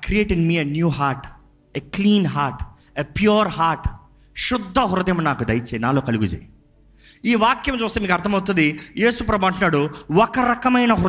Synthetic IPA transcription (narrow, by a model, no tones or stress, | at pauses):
kɾijeːʈinmiːenjuːɦaːɾʈ | ekliːnɦaːɾʈ | epjuːɾɦaːɾʈ | ʃʊd̪ʱːɐɦuɾɐd̪imɐnaːkud̪ɐjt͡ʃeːnaːloːkɐluɡud͡ʒḛːji | iːʋaːkjɐmt͡ʃuːst̪eːmiːkɐɾt̪ʰɐmɐwt̪und̪ijeːsupɾɐbɐɳʈunːaːɽuɔkɐɾɐkɐmɐjnɐɦuɾ